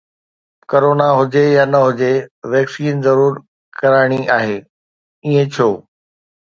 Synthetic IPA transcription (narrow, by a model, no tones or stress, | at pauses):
koɾoːnaɦʊd͡ʑejaːnɐɦʊd͡ʑeʋɛːksiːnzɐɾuːɾ | kɐɾaːɪɽ̃iʔaːɦeː | iːẽt͡ɕʰoː